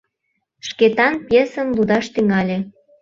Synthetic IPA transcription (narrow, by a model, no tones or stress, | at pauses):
ʃket̪ɑnpjesə̆nlud̪ɑʃt̪yŋɑlʲe